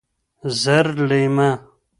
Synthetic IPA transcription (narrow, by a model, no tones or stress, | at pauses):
zɐɾlejma